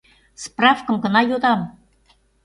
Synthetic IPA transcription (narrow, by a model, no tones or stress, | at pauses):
sprɑfkəmɡə̆nɑjod̪ɑm